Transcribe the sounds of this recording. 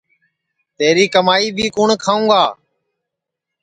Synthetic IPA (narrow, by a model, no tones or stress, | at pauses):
t̪eːɾiːkəmaːiːbʱiːkuːɳkʰaːũːɡaː